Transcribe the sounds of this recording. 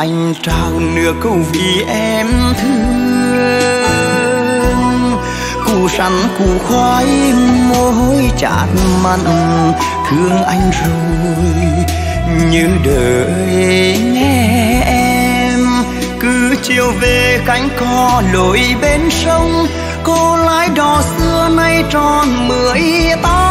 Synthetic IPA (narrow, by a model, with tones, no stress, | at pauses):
ʔa˧jŋ̟ | t͡ɕaː˨˩wnɨ̰˧˥əkːə˧˩wvi˧˨˩ʔɛ˧mt̪ʰɨ˧ə | ŋ | ku˧˩sa̰˨˦nku˧˩xwaː˧˦jmo˧ɦo˧jt͡ɕa̰ː˧˩t̚ma˧ | hɨ˧˦əŋʔa˧jŋ̟zo˨˩ | j | ɲɨ̰˧˥ŋɗəː˨˩˨ | jɲɛ˧˥ʔɛ˧m | kɨ˨˦t͡ɕi˧˩əwve˨˩ka˨˦jŋ̟kɔ˧lo˧˩jɓe˧nsə˧wŋ͡m | ko˧laː˧˦˥jɗɔ˨˩sɨ˧əna˧jt͡ɕɔ˧˩nmɨ˧˨˦əjt̪aː˦